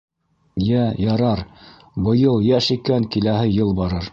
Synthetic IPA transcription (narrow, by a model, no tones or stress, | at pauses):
jæjɑɾɑɾ | bɤ̆jɤlˠjæʃikæŋkilæhɘjɤlˠbɑɾɤɾ